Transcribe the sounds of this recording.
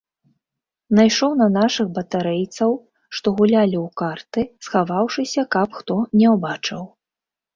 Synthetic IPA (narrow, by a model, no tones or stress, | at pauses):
najʂɔwnɐnaʂɨɣbɐt̪aɾɛjt̪sɐw | ʂt̪ɔɣulʲalʲiwkart̪ɨsxavawʂɨsʲɐkɐpxt̪ɔnʲɛwbat͡ʂɨw